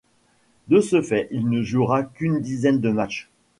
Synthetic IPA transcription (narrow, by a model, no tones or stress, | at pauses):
d̪əsəfɛʔilnəʒuʁakʲynd̪izɛnd̪əmat͡ʃ